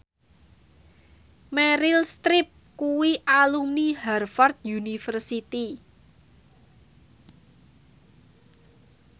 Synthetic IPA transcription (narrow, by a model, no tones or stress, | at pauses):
mɛɾɪlst̪ɾɪp̚kuwiʔalumniharfɔrt̪̚junifərsit̪i